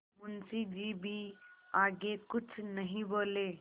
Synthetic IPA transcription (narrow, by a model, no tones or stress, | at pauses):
munsid͡ʑiːbʱiaɡekʊt͡sʰnəɦĩbole